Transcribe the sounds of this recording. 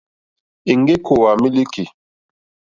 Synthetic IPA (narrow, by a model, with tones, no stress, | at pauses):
i˨ŋ˦ɡe˦kʰo˨wa˨mi˦li˦ki˨